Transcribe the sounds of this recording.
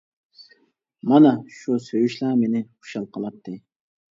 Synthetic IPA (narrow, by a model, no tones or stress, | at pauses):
mɑnɑʃusøjyʃlɑmenɪχu̥ʃɑlˠqʰəlˠɑt̪ːɨ